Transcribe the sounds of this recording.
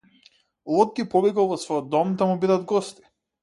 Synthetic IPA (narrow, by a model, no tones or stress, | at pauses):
ɔd̪̚ɡʲipɔbikalˠvɔsvɔjɔd̪ːɔmd̪amubid̪ad̪ɡɔst̪i̥